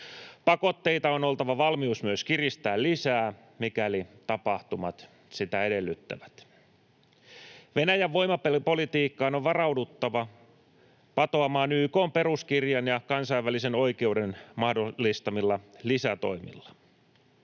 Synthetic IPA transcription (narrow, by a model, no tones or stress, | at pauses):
pɑko̞t̪ːe̞it̪ɑono̞lt̪ɑʋɑʋɑlmiusmyøskirist̪æːllisæː | mikælit̪ɑpɑht̪umɑt̪ | sit̪æede̞lːyt̪ːæ̰ʋæ̥t̪ | ʋenæjæʋːo̞jmɑppo̞lit̪iːkːɑːnoʋʋɑrɑwdut̪ːɑʋɑ | pɑt̪oɑmɑːnyːko̞ːmpe̞ɾuskirjɑnjɑkɑnsɑiʋːæliseno̞ike̞udenmɑhdolːist̪ɑmilːɑlisæt̪o̞̰imḭlːɑ̥